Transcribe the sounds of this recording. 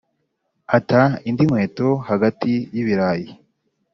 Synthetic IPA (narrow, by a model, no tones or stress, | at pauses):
ataindimwe̞ːtohaɡatijiβiɾaji